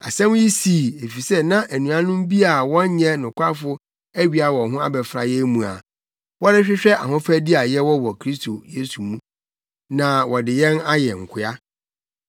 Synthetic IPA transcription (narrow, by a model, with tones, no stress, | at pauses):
a̰˨sɛ̃˦m˦ji˦siː˨˦˨e˨fi˨sɛ˦nã˦ʔæ˨nũ˨ã˦nʊ̃˦m˦bi˦a˨wɔ̃˦ɲ˦ɲɛ̃˦nʊ̃˨kʷʰa˦fʊ˦ | æ˦ɥi˨a˨wɔ̃˨˦ɦʊ̃˦a˦bɛ˨fɾa̰˨jɛ˦mũ˨a̰˨ | wɔ˦ɾɪ˦ɕᶣɪ˦ɕᶣɛ˦ʔa˨ɦʊ̃˦fæ˦di˦a˨jɛ˦wɔ˦wɔ˨kʰɾi˦stʰo˨je˦su˨mũ˦ | nã˨wɔ˨dɪ˨jɛ̃˦na˦jɛ˨ŋ̩˨kʰɪ˨˦a˦